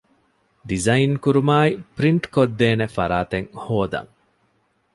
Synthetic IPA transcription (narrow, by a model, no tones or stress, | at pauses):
ɖizɐinkuɾumaːipɾiɳʈkod̪ːeːnefɐɾaːt̪eŋhoːd̪ɐ̰ŋ